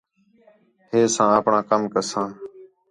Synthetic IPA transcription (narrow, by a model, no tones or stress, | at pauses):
heːsãːəpɳãːkəmkəsãː